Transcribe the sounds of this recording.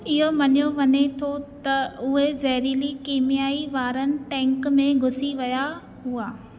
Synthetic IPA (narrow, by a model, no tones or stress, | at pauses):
ɪɦomɐɲjoʋɐɲet̪ʰot̪ɐʊɦezɐɦɾilikeːmijaːiʋaːɾənɪ̆ʈɛ̃ːŋkmẽɡʱʊsiʋɐja | ɦʊaː